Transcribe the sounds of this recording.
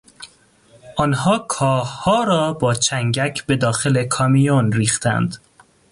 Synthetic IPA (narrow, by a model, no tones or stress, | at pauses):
ʔɒnhɒːkʰɒːhhɒːɾɒːbɒːt͡ʃʰæŋɟæcʰbe̞d̪ɒːxe̞le̞kʰɒmijonɾiːxt̪ʰæ̰nd̪